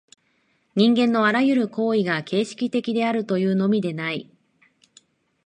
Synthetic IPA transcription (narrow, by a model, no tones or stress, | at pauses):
ɲ̟ĩŋɡẽ̞nːo̞aɾajɯ̟ɾɯ̟ko̞ːiɡakʰe̞ːɕi̥kʲit̪e̞kʲid̪e̞aɾɯ̟t̪o̞jɯ̟ːno̞mʲid̪e̞nai